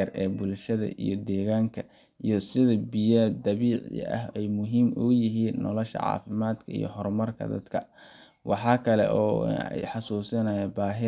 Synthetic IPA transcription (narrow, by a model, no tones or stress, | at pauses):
ɐrɛːbʊlʃɐðɐ̰ʔḭjɞd̪ɛːɣaːŋkʰɐ | ijɞsɪðɐbɪjɐd̪ɐβiːʕ̰ʔɐ̰ɦɛjmʊɦiːmʔʊjɪɦiːnːɔ̰lɔʃɐ̰ʕɑ̰ːfɪmaːd̪kʰɐḭjɔ̰ɦɔrmɐrkʰɐ̰d̪ɐd̪kʰɐ | wɑħɑːkʰɐlɛ̰ʔɔːħɑsuːsɪnɐjɛbaːɦɪ